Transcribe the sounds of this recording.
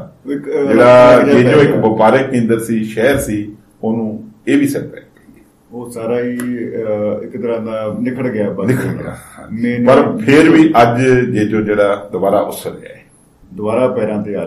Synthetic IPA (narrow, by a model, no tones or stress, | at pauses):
ɪkd͡ʒeːɽaːd͡ʒd͡ʒeːd͡ʒõːɪkbəpaːɾeːkɪ̃nd̪əɾsiːʃɛːɾsiː | oːnũːeːʋiːsɛɾpɛ̰ːkaɡ | oːsaːɾaːiː | ɪkt̪əɾãːd̪aːnɪkʰəɽɡɪaːbənɪkʰəɽɡ̰ã̰ːmɛ̃ːpəɾpʰɪɾʋiːʔəd͡ʒd͡ʒeːd͡ʒõːd͡ʒeːɽaːd̪əbaːɾaːʔʊsəɾḛa̰ːɛː | d̪ʊbaːɾaːpɛːɾãːt̪eːa